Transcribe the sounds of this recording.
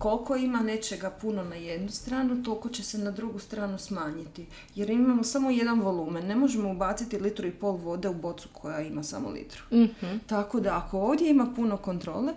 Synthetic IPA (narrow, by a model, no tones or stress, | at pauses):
ko̞lko̞imane̞t͡ʃe̞ɡapuno̞naje̞d̪nust̪ɾaːnut̪o̞lko̞t͡ɕese̞nad̪ɾuɡust̪ɾaːnusmaːɲit̪i | je̞ɾimamo̞samo̞je̞d̪anʋo̞lˠuːmenːe̞mo̞ʒemoubaːt̪sit̪ilit̪ɾuipo̞ːlʋo̞d̪e̞ubo̞t̪su̥kʰo̞jaimasa̰mo̰lḭt̪ɾu̥t̪ako̞d̪aakʰo̞oːʋd̪je̞imapuno̞ko̞nt̪ɾo̞̰ːle̞